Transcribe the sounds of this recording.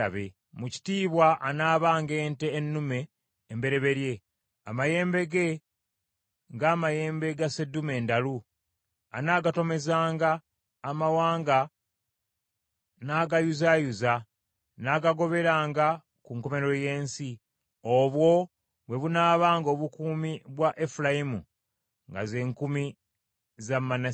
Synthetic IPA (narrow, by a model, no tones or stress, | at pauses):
aβḛ | muci̥tiːβwaʔanaːβaːŋɡe̞ːnteːnːume̞ː | mbe̞ɾe̞βe̞ɾje̞ | a̰maje̞ːmbe̞ɡe̞ | ŋɡaːmaje̞ːmbe̞ɡase̞dːume̞ːndalu | a̰naːɡato̞me̞zaːŋɡaː | mawaːŋɡa | naːɡajuzajuza | naɡaɡo̞βe̞ɾaːŋɡa | kuŋko̞me̞ɾo̞je̞ːnsi | oβwo̞ | βwe̞βunaːβaːŋɡo̞ːβukuːmiβwaʔefulajimṵ | ŋɡa̰ze̞ːŋkumi | zamːana